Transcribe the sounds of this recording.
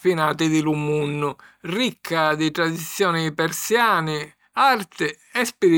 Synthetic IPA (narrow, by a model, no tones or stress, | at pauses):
finaːt̪ɪd̪ɪlumunːʊ | rikʰːad̪it̪ɾad̪it̪sːjɔːnɪpɛɾsjaːnɪ | art̪ɪ | ɛspiɾi